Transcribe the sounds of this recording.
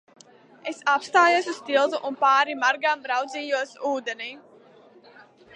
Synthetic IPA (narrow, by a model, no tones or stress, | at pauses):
esapst̪aːjusust̪ilˠzuʔunpaːɾimaɾɡambɾawd̪ziːjuɔsuːd̪eni